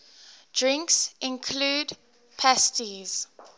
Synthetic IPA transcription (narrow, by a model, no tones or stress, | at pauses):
d̥ɹɪ̃ŋksʔɪ̃nkʰluːd | pʰæstiz̥